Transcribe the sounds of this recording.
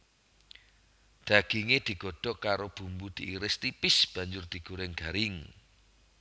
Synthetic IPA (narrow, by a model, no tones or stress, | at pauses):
d̪̥a̤ɡ̥iŋed̪̥i̤ɡ̥ɔ̤ɖ̥ɔ̤kaɾob̥ṳmbud̪̥iːɾɪst̪ipɪsb̥ä̤ɲd͡ʒʊrd̪̥i̤ɡ̥uɾɪŋɡ̥aɾɪŋ